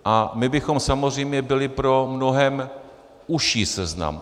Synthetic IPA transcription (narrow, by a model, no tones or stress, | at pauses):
ʔamɪbɪxo̞msamozr̝ɛjmɲɛbɪlɪpɾo̞mno̞ɦɛm | ʔuʃiːsɛzna̰m